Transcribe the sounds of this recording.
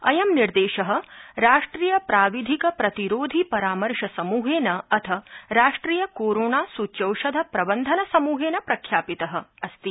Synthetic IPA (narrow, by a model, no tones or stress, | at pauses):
ɐ̰jɐmniɾd̪eːʃɐɦɐ̆ɾaːʂʈɾiːjɐpɾaːʋid̪ʱikɐpɾɐt̪iɾoːd̪ʱipɐɾaːmɐɾʃɐsɐmuːɦeːnɐɐt̪ʰɐɾaːʂʈɾiːjɐkoːɾoːnaːsuːt͡ʃɐwʃɐd̪ʱɐpɾɐbɐnd̪ʱɐnɐsɐmuːɦeːnɐpɾɐkʰjaːpit̪ɐɦɐ̆ɐst̪i